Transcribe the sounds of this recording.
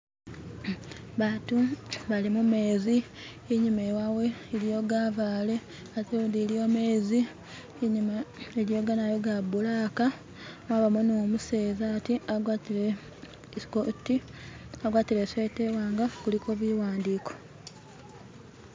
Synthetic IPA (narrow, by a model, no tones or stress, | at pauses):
βaːtuβalimume̞ːziː | ɲumewawe̞ːlijo̞ːɡaːvaːle̞ | ateudiljo̞ːme̞ːzi | ɲimaeɾjo̞ːɡanajo̞ɡabulaːka | waβamonoːmuse̞ːzatiaɡwatile | kotiaɡwaːtilesetewaːŋɡakulikoβiwaːndiːko̞̥